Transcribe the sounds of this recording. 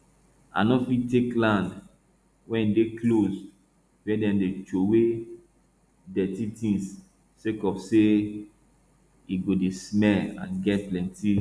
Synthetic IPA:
a̰nɔfitːeklãnd | wɛ̃nideklos | bɛ̃dɛ̃mdet͡ʃowe | dɛtitĩns | sekɔfse | iɡodesmɛlã̰nɡɛt̚plɛ̃nti

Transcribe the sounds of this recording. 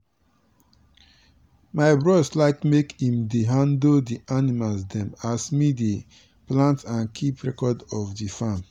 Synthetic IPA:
maɪbɹɔslaɪkmekhĩmdeɦãndoldiʔanimalsdɛ̃masmide | plãntãnkʰipɹɛkɔdɔfdifãm

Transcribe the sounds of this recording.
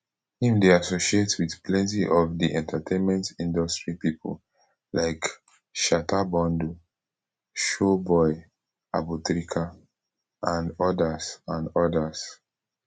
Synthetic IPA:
hĩmdeasoʃietwiðpʰlɛ̃ntiʔɔvdiʔɛ̃ntʰatʰẽnmɛ̃ntĩndɔstɹipipʰṵl | lʔaɪk | ʃatʰabɔ̃ndu | ʃobɔɪ | a̰butɹikʰa | ʔãndɔdasãnɔdas

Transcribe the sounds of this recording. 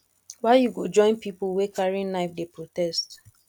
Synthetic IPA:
waɪjuɡod͡ʒɔ̃ɪ̃npipulwekʰaɹĩnaɪfdepɹotɛst

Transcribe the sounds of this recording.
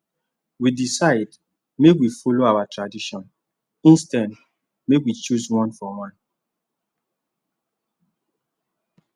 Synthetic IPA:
widisaɪd | meɡwifoloawatɾadiʃɔ̃n | ĩnstãn | meɡwit͡ʃuswɔ̃nfɔwãn

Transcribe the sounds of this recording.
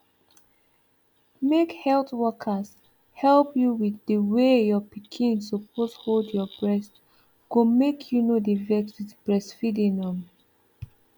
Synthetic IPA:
mekhɛltwɔkʰəs | hɛlˠpjuwiðdəwejɔpikʰĩnsopʰosholdjɔbɹɛst | ɡ̥omekʰjunodivɛksitb̥ɹɛstfidĩnɔ̃m

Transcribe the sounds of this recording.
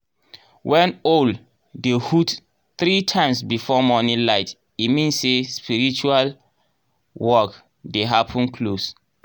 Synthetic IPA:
wɛ̃nol | dehut | θɹitʰãɪ̃msbifɔmɔnĩlaɪt | imĩnsːespiɹit͡ʃual | wɔk | deɦapʰə̃nkʰlos

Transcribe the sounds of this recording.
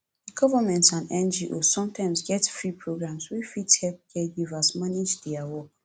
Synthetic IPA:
dəɡɔvamɛ̃ntsãnɛ̃nd͡ʒiʔossɔ̃mtʰãɪ̃msɡɛtfɹipʰɹoɡɹãmswifithɛlp̚ɡɛɡivasmaned͡ʒdiawɔk

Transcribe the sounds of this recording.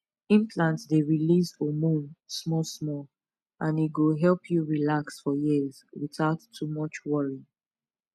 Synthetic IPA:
ĩmpʰlãntsdeɹilizomũnsmɔsmɔ | ʔãniɡoɦɛlˠpʰjuɹilaksfɔjizwiθaʊtʰːumʌt͡ʃwɔɹi

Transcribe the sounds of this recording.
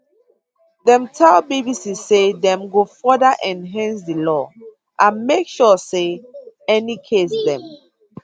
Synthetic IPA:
dɛ̃mtʰɛlbibisissedɛ̃mɡofɔdaʔɛ̃nɦãnsdilɔ | ʔãnmekʃɔse | ɛnikʰesdɛ̃m

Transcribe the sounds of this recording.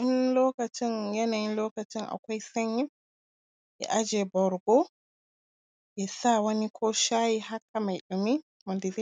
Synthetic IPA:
inlɔkatinjɛnainlɔkatinʔa̰kɔjsaɲːim | ʔɛ̰ʔad͡ʒɛbɔɾɡɔ | ʔɛsawanikʰɔʃajihakːamajɗumi | mandizi

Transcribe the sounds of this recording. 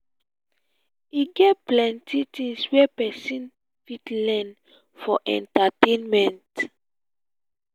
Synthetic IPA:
iɡɛtplɛ̃ntʰitĩŋswɛpɛsĩn | fitlɛ̃n | fɔʔɛ̰̃ntatẽnmɛ̃nt

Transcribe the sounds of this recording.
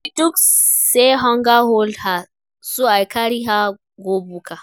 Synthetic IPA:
itukseɦɔŋɡaɦolha | suajkaɾiɦa | ɡobuka

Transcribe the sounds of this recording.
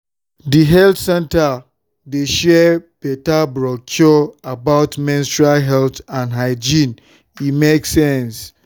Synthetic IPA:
diɦɛltsɛ̃nta | deʃɛbɛtabɹɔkʰjɔabaʊtmĩnstɹialɦɛltãnɦaɪd͡ʒĩn | imeksɛ̃ns

